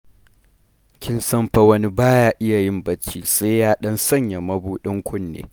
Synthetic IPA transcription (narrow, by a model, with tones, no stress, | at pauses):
kʲɪ˦nsɐ˦mɸɐ˦wɐ˦ni˦baː˦jaː˦ʔɪ˦ja˨jɪ˦mbɐ˦t͡ʃiː˦sa˦jjaː˦ɗɐ˦nsɐ˦˨ɲja˨mɐ˦buː˦ɗɪ˦ŋkʷʊ˦nːḛː˨˦